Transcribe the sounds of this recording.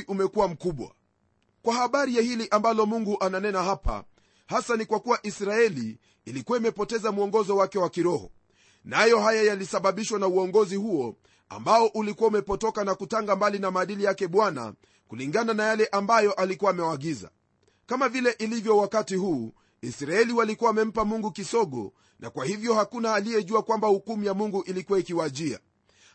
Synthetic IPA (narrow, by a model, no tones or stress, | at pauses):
ʔumɛkuwam̩kuɓwa̰ | kwahaɓaɾijahiliʔambalɔmuŋɡuʔananɛnahapa̰ | hasanikwakuwaʔisɾaɛliː | likuaimɛpɔtɛzamuɔŋɡɔzɔwakɛwakiɾɔhɔ̰ | najɔɦajajalisaɓaɓiʃwanauɔŋɡɔzihuɔ | a̰mbaɔʔulikuwaumɛpɔtɔkanakutaŋɡambalinamaːɗilijakɛɓwana̰ | kuliŋɡananajalɛʔambajɔʔalikuwaːmɛwaɠiza̰ | kamavilɛʔilivjɔwakatihuː | isɾaɛliwalikuwaːmɛm̩pamuŋɡukisɔɠɔ̰ | nʔa̰kwahivjɔhakunaːlijɛʄuakwambahukumijamuŋɡuʔilikuwaikiwaʄia̰